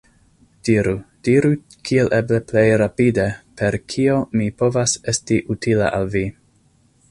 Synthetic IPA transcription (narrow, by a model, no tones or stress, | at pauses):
d̥iɾud̥iɾu | kʰielʔeble̞ple̞jɾapidepʰe̞ɾkʰio̞mipo̞vase̞stiʔutʰila̰ʔalvi